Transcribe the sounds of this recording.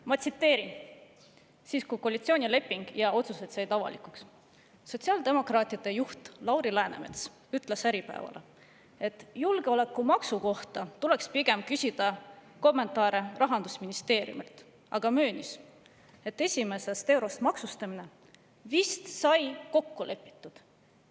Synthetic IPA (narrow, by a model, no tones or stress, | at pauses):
mɑt̪sit̪ːe̞ːɾin | siːskujkoɑlit̪sio̞ːnʲile̞pˑːiŋɡ̥jɑo̞t̪suse̞t̪sɑjt̪ɑvɑ̰likˑuksː | o̞t̪siɑːld̪e̞mo̞krɑːt̪ʲiɑd̪̥e̞juht̪lɑwɾilæenḛmḛt̪s | yt̪ːˑlesæɾipæ̰evɑ̰le | e̞t̪ːˑjulɡ̥eo̞le̞kːˑumɑksuko̞ht̪ɑt̪ule̞kspiɡ̥e̞mkysʲid̪̥ɑ | ko̞mːe̞nt̪ːˑɑːɾe̞rʔɑɦɑnd̪usminist̪e̞ːɾjṵmilt̪ | ɑ̰ɡ̥ɑmøːnis | e̞t̪ːe̞sʲime̞se̞st̪e̞wɾo̞st̪mɑksust̪ɑmine̞ | vist̪sɑjko̞kːule̞pːˑi̥t̪ːˑud̪̥